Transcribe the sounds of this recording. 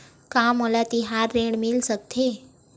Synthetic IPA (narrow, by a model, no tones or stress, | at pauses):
kamolat̪iɦaɾːẽɳmilsək̚t̪ʰe